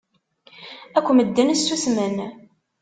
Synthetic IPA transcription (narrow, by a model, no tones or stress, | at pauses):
ækʷːməd̪ːənsːusmən